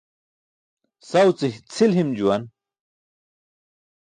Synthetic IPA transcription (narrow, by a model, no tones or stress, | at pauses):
sawt͡siht͡sʰilɦimd͡ʑuwan